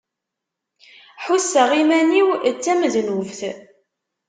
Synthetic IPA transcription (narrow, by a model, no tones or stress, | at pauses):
ħusːəʁimæniwt͡sːæməðnuvθ